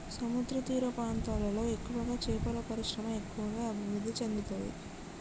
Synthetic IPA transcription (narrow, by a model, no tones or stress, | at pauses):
sɐmud̪ɾɐt̪iːɾɐpɾaːnt̪aːlɐlo̞ːe̞kːuʋɐɡaːt͡ʃɛːpɐlɐpɐɾiʂɾɐmɐe̞kːuʋɐɡaːɐbʱiʋɾud̪ːit͡ʃɐnd̪it̪oːjḭ